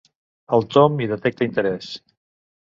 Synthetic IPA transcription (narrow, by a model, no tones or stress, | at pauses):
əlˠt̪omiðət̪ɛk̚t̪əint̪əɾɛs